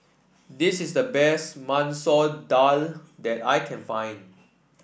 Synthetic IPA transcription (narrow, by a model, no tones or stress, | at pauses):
disisdəbɛstmãnsɔdaldɛtajkʰɛ̃nfãj̃n